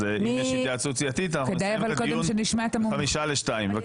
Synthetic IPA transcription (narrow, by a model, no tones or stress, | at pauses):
zeijeʃd̪at͡sut͡sijat̪it̪anaχkeud̪ajavalkodemʃeniʃmaet̪amamiʃaleʃtaimve